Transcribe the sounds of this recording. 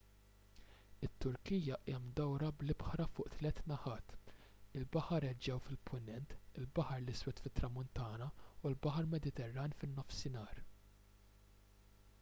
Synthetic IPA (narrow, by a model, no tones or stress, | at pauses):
ɪt̪ːʊɾkijɐʔɛmd̪ɔwɾɐblɪbħɾɐfʊːʔt̪lɛt̪ːnɐħɐːt̪ɪlbɐħɐɾɛd͡ʒɛwfɪlpʰʊnɛnt̪ɪlbɐħɐɾlɪswɛt̪fɪt̪ːɾɐmʊnt̪ɐːnɐulbɐħɐɾmɛd̪ɪt̪ɛrːɐːnfɪnːɔfsɪnɐːɾ